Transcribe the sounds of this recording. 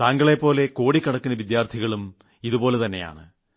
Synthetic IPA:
t̪aːŋɡɐɭe̞pːo̞ːle̞ko̞ːɽikːɐɽɐkːunɐʋid̪jaːrt̪ʰiɣɐɭum | iðupo̞ːlet̪ɐnːe̞ja̰ːɳɨ

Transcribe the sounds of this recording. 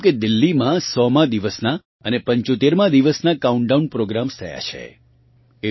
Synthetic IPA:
ked̪ɪlːimãsɔmãd̪iʋəsna | ənepəɲt͡ʃot̪eɾmãd̪iʋəsnakauɳɖaunpɾoɡɾamst̪ʰəja̰t͡ʃʰḛ | e

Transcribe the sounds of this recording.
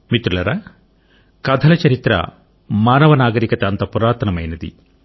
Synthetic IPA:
mit̪ɾulɐɾa | kɐd̪ʱɐlɐt͡ʃɐɾit̪ɾɐ̰ | maːnɐʋɐnaːɡɐɾikɐt̪ɐːnt̪ɐpuɾaːt̪ʰɐnɐmɐjnɐd̪ḭ

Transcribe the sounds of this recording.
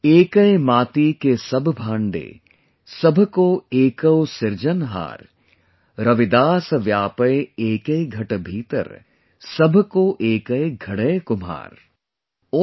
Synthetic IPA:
eːkəemaːt̪ikesɐbʱbʱãːɳɖḛː | sɐbʱkoeːkəwsɪɾd͡ʒənɦa̰ːɾ | ɾɐʋɪd̪aːsʋjaːpəjeːkəɡʱɐʈbʱiːt̪ə̰ɾ | sɐbʱkoʔeːkəeɡʱɐɽəjkʊma̰ːɾ | oː

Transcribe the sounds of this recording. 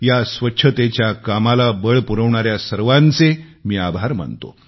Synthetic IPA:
jasʋətːɕʰət̪et͡ɕjakamalabəɭpuɾəʋɳaɾjasəɾʋãnt͡semiːabʱaɾm̤ə̰nt̪o̰

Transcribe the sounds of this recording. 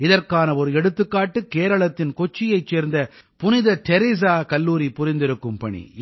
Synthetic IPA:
ɪðɐrkaːnɐɔɾɯɛɽɯt̪ːɯkːaːʈːɯkːeːɾɐɭɐt̪ːɪnkɔt͡ʃːɪjɐɪt͡ʃːeːɾnd̪ɐ | pʊnɪðɐʈɛɾɪs̬aːkɐlːuːɾipʊɾɪnd̪ɪɾɯkːɯmpɐɳḭ

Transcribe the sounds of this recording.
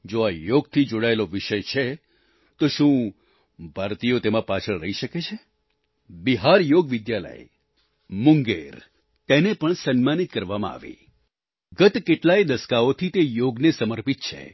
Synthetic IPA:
d͡ʒoajoɡt̪ʰid͡ʒoɽaeloʋɪʃəjt͡ʃʰe | t̪oʃũ | bʱaɾt̪ijot̪emãpat͡ʃʰəɭɾəiʃəket͡ʃʰe | biɦaɾjoɡʋɪd̪jalə̰j | muŋɡḛɾ | t̪enepəɳsənmanit̪̚kəɾʋamã̰a̰ʋḭ | ɡət̪keʈlajd̪əskaot̪ʰit̪ejoɡnesəməɾpit̪̚t͡ʃʰḛ

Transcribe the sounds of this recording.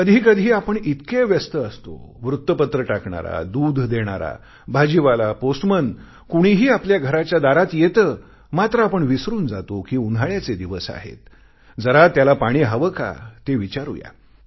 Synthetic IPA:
əd̪ʱiːkəd̪ʱiːapəɳit̪keʋjəst̪əəst̪o̰ʋɾut̪ːəpət̪ɾəʈakɳa̰ɾa̰d̪uːd̪ʱd̪eɽ̃a̰ɾa̰ | bʱad͡ʑiʋalaposʈmən | kuɽ̃iɦiːapljaɡʱəɾat͡ɕjad̪aɾat̪jet̪əː | mat̪ɾəapəɳʋisɾuːnd͡zat̪okiːund̪ʱaɭjat͡sed̪iʋəsa̰ɦḛt̪̚ | d͡zəɾat̪jalapaɽ̃iːɦaʋəka̰t̪eʋit͡ɕaɾṵja̰

